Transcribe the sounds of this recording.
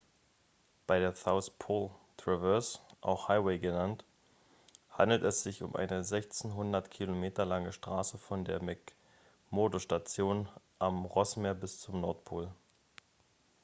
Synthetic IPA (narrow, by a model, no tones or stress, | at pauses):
b̥aɪdeːɐθaʊspʰoːltʁ̥ɛvɛsʔa̰ʊxhaɪweɪɡənant | ha̰ndl̩tɛsz̥ɪçʊ̰mʔa̰ɪnəzɛçt͡snɦʊndɐtkʰilomeːtɐlaŋəʃtʁ̥aːsəfɔndeːɐmɛk | moːdoʃtat͡sjoːn | ʔamʁɔsmeːɐbɪst͡sʊmnɔɐtpʰoːl